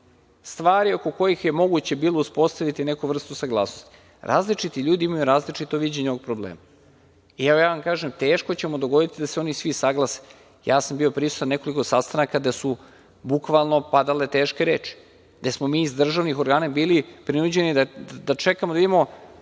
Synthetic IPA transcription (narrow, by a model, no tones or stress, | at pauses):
st̪ʋaːɾio̞ko̞ko̞jixje̞mo̞ɡut͡ɕebiːlˠouspo̞st̪aʋit̪ine̞kuʋr̩st̪usaɡlˠaːsnost̪i̥ | ɾʔa̰ːzlit͡ʂit̪iʎuːd̪iimajuɾaːzlit͡ʂit̪o̞ʋid͡ʑeɲeooɡ̚pɾoblḛːma | iaojaːʋamkaːʒemt̪e̞ːʃko̞t͡ɕe̞mod̪oɡo̞d̪it̪id̪aseo̞nisʋisaɡlˠase̥ | jaːsambiopɾisu̥t̪anːe̞ko̞liko̞sast̪anakad̪asu | bukʋalˠno̞pad̪ale̞t̪e̞ːʃkeɾeːt͡ʃi̥ | d̪asmo̞miːzd̪r̩ʒaʋnixo̞ɾɡaːnabiːlipɾinud͡ʑe̞nid̪ad̪at͡ʃe̞kamod̪aid̪imo̞